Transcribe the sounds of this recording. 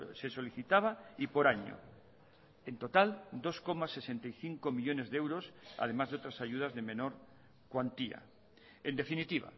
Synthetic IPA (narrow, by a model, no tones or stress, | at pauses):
se̞so̞liθit̪aβ̞aipo̞ɾaɲo̰ | e̞nt̪o̞t̪ald̪o̞sko̞mase̞se̞nt̪ajθiŋkomiʎo̞ne̞zðe̞wɾo̞sa̰ð̞e̞mazðeo̞t̪ɾasaʝuð̞azðe̞mẽ̞no̞ɾ | kwant̪ia̰ | end̪efinit̪iβ̞a̰